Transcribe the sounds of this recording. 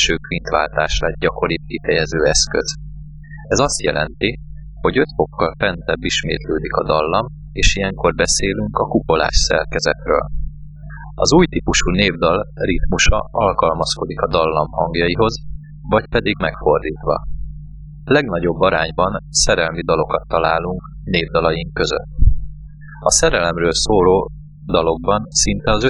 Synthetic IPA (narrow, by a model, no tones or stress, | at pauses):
ʃøːkʋint̪ʋa̰ːlt̪aːʃlɛd̪̚ɟɒko̞ɾit̪̚kifɛjɛzøːɛskø̰z̥ | ɛzɒst̪jɛ̰lʔɛnt̪i | ho̞ɟø̞t̪fo̞kːɒlfɛnt̪ɛbːiʃmḛːt̪løːd̪ikɒd̪ɒlːɒm | eːʃijɛŋko̞rbɛseːlyŋkɒkupo̞la̰ːʃsɛ̰rkɛzɛt̪rø̰ːl | ɒzuːjt̪iːpuʃuːneːvd̪ɒlrit̪muʃɒ̰ɒlkɒlmɒsko̞d̪ikɒd̪ɒlːɒmhɒŋɡjɒjiɦo̞z | vɒcpɛd̪iɡmɛkfo̞rd̪iːt̪ʋɒ̰ | lɛɡnɒɟo̞bːɒɾaːɲbɒnsɛɾɛlmid̪ɒlo̞kɒt̪ːɒlaːluŋk | neːvd̪ɒlɒjiŋkːø̞zø̰t̪ː | ɒsɛɾɛlɛmrøːlsoːɾoː | d̪ɒlo̞ɡ̚bɒnsint̪ɛɒzø